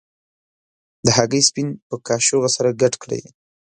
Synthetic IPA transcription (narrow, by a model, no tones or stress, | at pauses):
d̪əɦaɡəjspinpəkɑʃoɣasaɾaɡaʈkɽḛj